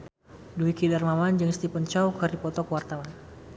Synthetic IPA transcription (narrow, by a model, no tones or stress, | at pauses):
duikidarmamand͡ʒəŋst̪ipənt͡ʃawkərdipɔt̪ɔkəwart̪awan